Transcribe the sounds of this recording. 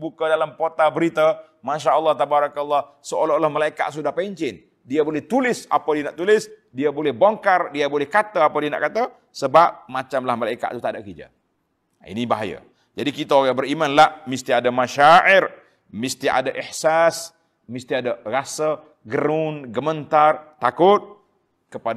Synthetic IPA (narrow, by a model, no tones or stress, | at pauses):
bukadalamkot̪abəɾit̪a | maʃaʔəlˠːɑht̪abaɾɑkalːɑh | səolaolahmalaika̰ʔ̪sudahpaɲt͡ʃɪn | diabolɛht̪ulɪsa̰padianaʔt̪ulɪsdiabolɛhboŋkardiabolɛhkat̪aapadiana̰ʔkat̪a | səbap̚mat͡ʃamlahmalaika̰ʔt̪ut̪adaʔkid͡ʒa̰ | ḭnibaɦaja̰ | d͡ʒadikit̪aoɣabəɾimanlaʔmist̪iadamaʃaʕɪr | mist̪ia̰daʔihsas | mist̪iadarasə | ɡəɾʊnɡəmənt̪art̪akʊt̪̚ | kəpa